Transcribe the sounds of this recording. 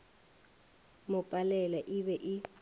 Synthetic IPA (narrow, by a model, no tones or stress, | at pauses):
mʊpʼalɛlaʔɪβɛʔɪ